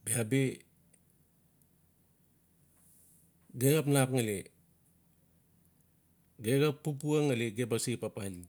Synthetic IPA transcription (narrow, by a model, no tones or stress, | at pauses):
biabi | ɡeɡapnapŋali | ɡeɡapːup̬uaŋaliɡebasipapani